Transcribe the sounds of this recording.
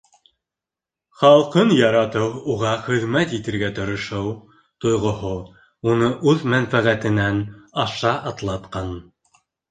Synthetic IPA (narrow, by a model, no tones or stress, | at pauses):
χɑlˠqɤnjɑɾɑt̪ɤwuʁɑχɘ̆ðmæt̪jit̪ɘ̆ɾɡæt̪ŏɾŏʃɤw | t̪ŏjʁŏho | unɤʔʉðmænfæʁæt̪ɘ̆nænɑʃɑʔɑt̪lˠɑt̪qɑn